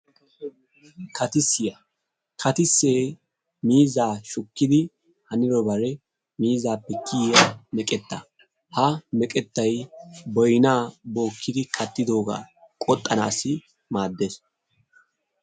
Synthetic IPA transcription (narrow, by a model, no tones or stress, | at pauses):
kʰɐt̪ɪsːɪjɐ | kʰɐt̪ɪsːeː | miːzaːʃʊkːɪd̪ɪ | hɐnɪɾɔbɐɾɛ | miːzaːpːɛkʰːɪjamɛkʼɛt̪ːɐ | hɐmɛkʼɛt̪ːɐjbɔjnaːbo̞ːkːɪd̪ɪkʰɐt̪ːɪd̪o̞ːɡa̰ː | kʼɔt̪ʼːɐna̰ːsːɪ | maːd̪ːeːs